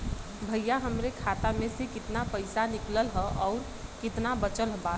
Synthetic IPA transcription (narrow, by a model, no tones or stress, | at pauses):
bʱəjjaɦəmɾekʰaːt̪amẽsekɪt̪napəɪsanɪkləlɦəʔɔːɾ | kɪt̪nabət͡ʃəlɦba